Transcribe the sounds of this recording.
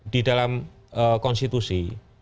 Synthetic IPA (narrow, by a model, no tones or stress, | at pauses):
d̥idalam | əkɔnst̪it̪usi